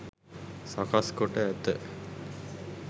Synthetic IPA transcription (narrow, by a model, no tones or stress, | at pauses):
sakaskoʈəæt̪ə̰